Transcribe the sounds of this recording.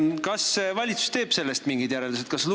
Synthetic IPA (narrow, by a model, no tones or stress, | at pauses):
kɑsvɑlʲit̪su̥st̪e̞ːb̥se̞lːest̪miŋɡid̪̥jæɾeld̪̥uset̪kɑsl